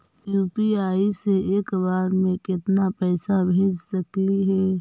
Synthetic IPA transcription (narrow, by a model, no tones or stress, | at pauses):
juːpiaːiseeːkbaːɾmẽkɪt̪napɛːsabʱeːd͡ʒsɐkliɦɛː